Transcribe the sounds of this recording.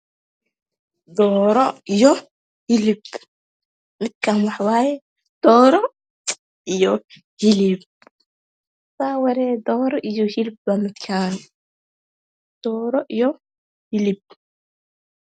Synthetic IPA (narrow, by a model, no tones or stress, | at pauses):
d̪ɔːɾɔijɔ | hɪlɪb | mɪd̪̚kʰanwɑħwaːjɛ | d̪̥ɔːɾɔ | ijɔ | hɪlɪb̚ | saːwɛɾɛːd̪ɔːɾɔʔijɔhɪlɪbbɐmɪd̪kʰaːn | d̪̥ɔːɾɔʔijɔ | hɪlɪb̚